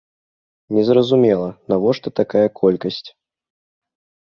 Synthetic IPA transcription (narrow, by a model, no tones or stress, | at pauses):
nʲɛzɾɐzumʲɛlˠɐnavɔʂt̪ɔt̪akajɐkʰɔlʲkɐsʲt͡sʲ